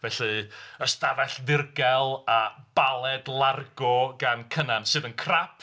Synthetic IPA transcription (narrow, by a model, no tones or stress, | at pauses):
vɛɬɨəstaɾɛɬðɪrɡɛlˠab̥alˠɛdlˠarɡɔɡankʰənansɨːðənkʰrapʰ